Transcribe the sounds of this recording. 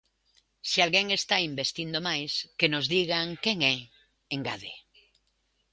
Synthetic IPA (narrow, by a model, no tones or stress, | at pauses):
sialɣeŋest̪aimbest̪ind̪omajskenozðiɣ̞aŋkeŋɛ | eŋɡaðe